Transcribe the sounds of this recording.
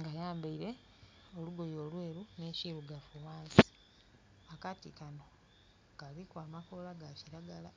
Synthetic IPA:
ŋɡajaːmbaiɾe̞ | oluɡo̞joːlwe̞ːɾuneːʃiɾuɡafuwaːnsi̥ | akatikano̞ | ɡaβikwaːmakolaɡaciɾaɡala

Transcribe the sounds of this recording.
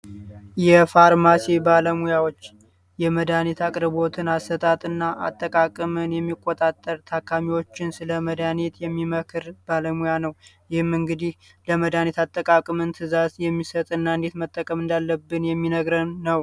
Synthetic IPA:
jɛfaɾmasibaləmujawo̞t͡ʃː | jɛməd̪anet̪ʰakʼɾɨbo̞t̪ʰɨnasət̪ʼat̪ʼɨnːaʔa̰t̪ʼːəkʼakʼɨmɨnjɛmːikʼːot̪ʼat̪ʼːəɾt̪ʰakʰːamiwo̞t͡ʃːɪnsɨləməd̪anet̪jɛmːiməkʰɨɾb̥aləmujanəwjɪhɨmːɨŋɡɨd̪ih | ləməd̪anet̪at̪ʼːəkʼakʼɨmɨnt̪ʰɨzazjɛmːisət̪ʼɨnːaɨnd̪e̞t̪mət̪ʼːəkʼəmɨnd̪alːəbːɨnjɛmːinəɡɾənəw

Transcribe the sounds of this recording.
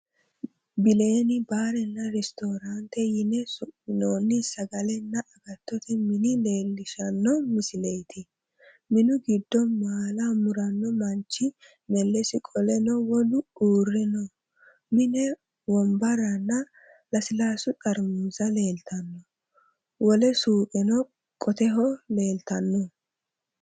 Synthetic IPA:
bɪle̞ːnɪbaːɾɛnːɐɾɛst̪oːɾant̪ɛjɪnɛsʊɪnoːnːɪsɐɡɐlɛnːɐʔɐɡɐt̪ːɔt̪ɪmɪnɪle̞ːlːɪʃɐnːɔmɪsɪlejt̪ʰɪ | mɪnʊɡɪd̪ːɔnmaːlamʊɾɐnːɔmɐnt͡ʃːɪ | mɛlːɛsɪkʼɔlɛnɔwɔlʊuːrːɛnɔ | mɪnɛ | wɔmbɐɾɐnːɐ | lɐsɪlaːsʊtʼɐɾmuzɐle̞ːlt̪ʰɐnːɔ | wɔlɛsuːpʼɛnɔ | kʼɔt̪ɛɦɔleːlt̪ɐnːɔ

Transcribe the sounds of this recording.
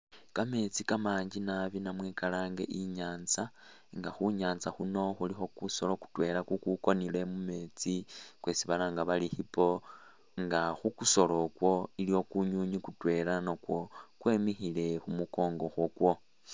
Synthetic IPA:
kame̞t͡sikamaːɲd͡ʒinaβinamwekalaːŋɡe̞̰ʔiɲaːnza | ŋɡaxuɲaːnt͡saxuno̞xulixo̞kuso̞lo̞ku̥twe̞ːɾakukuko̞nile̞mume̞ːt͡sikwe̞siβalaŋɡaβalixipo̞ | ŋɡaxukuso̞lo̞kwo̞iljo̞kuɲuːɲikutwe̞ːlanokwo̞kwe̞ːmixile̞xumuko̞ːŋɡo̞xwokwo̞

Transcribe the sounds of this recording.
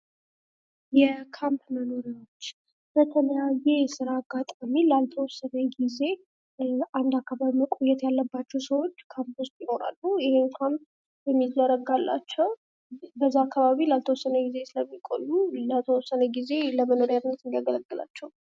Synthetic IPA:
jɛkʰampmənoɾiwo̞t͡ʃː | b̥ət̪ʰələjajesɨɾaːɡːat̪ʼamilalt̪ʰəwɔsːənəɡize̞ | ʔand̪akːaβaβiməkʼojːɛt̪jalːəbːat͡ʃːɛwsəwo̞t͡ʃːkʰampʊst̪jɪho̞ɾa̰lːujɪheŋkʰamp̚ | jɛmːizəɾəɡalːa̰t͡ʃːɛw | bəzːaakʰːaβaβilalt̪ʰəwɔsːənəɡize̞sɨləmːikʼo̰jːulət̪ʰəwɔsːənəɡize̞ləməno̞ɾjaɾnːət̪ɨnd̪jaɡələɡːɨla̰t͡ʃːɛwu

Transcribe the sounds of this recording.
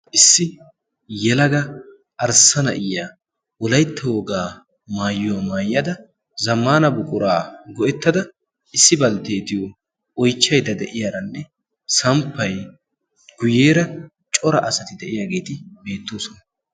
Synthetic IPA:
ʔɪsːɪ | jɛlɐɡɐ | ʔɐɾsɐnɐʔɪjːaː | wɔlɐjt̪ʰːɐwɔɡaː | maːjːʊamaːjːɐd̪ɐ | zɐmːaːnɐbʊkʼʊɾaːɡɔʔɛt̪ːɐd̪ɐ | ɪsːɪbɐlt̪eːt̪ɪjo | ɔjt͡ʃːɐjd̪ɐd̪ɛʔɪjaːɾɐnːɛ | sɐmpːɐj | ɡ̥ʊjeːɾɐ | t͡ʃʼɔɾɐʔɐsɐt̪ɪd̪ɛʔɪjaːɡe̞ːt̪ɪbe̞ːt̪ːoːsɔnɐ

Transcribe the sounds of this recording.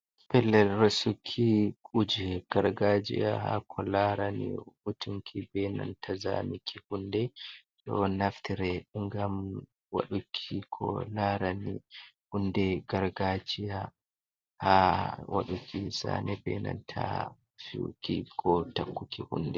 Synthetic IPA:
pɛlːɛlɾasukʰːikʼud͡ʒɛɡ̥aɾɡad͡ʒḭahakʰɔlaɾaniʔutʰuŋkʰibɛna̰ntʰaza̰mikʰihundɛɗɔnaftiɾɛŋɡam | wa̰ɗukʰːikʰɔlaɾanihunːdɛɡaɾɡad͡ʒija | hawʔa̰ɗukʰisa̰nɛbɛna̰ntʰa | fukikʰɔtakːukʰihṵndɛ

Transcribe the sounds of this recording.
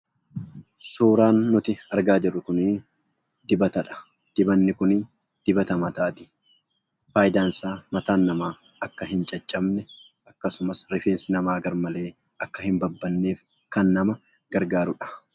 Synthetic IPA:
suːɾaːnːʊt̪ɪɐɾɡaːd͡ʒɪrːʊkʊniː | d̪̥ɪbɐt̪ɐᶑɐ̥ | d̪̥ɪbɐnːɪkʊniːn | d̪̥ɪbɐt̪ɐmɐt̪aːt̪ɪ̥ | faːjɪd̪aːnsaːmɐt̪aːnːɐmaː | ɐkːɐɦɪnt͡ʃʼɐt͡ʃʼːɐbnɛ | ʔɐkːɐsʊmɐsɾɪfeːnsɪnɐmaːɡɐɾmɐle̞ː | ɐkːɐhɪmbɐbːɐnːe̞ːf | kɐnːɐmɐ | ɡ̥ɐɾɡaːɾʊᶑɐ̥

